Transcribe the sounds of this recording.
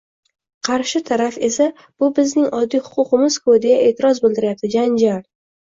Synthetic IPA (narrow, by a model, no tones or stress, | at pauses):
qʰɑɾʃɪt̪ʰaɾafe̞sa | b̥ʊbɪznɪŋʔɒd̪ːijhʊ̥qʰʊqɨmɪz̥kʰod̪ɪjaʔe̞ːt̪ʰɪɾɒzbɪlˠd̪ɪɾɪjap̚t̪ɪd͡ʒand͡ʒaɾ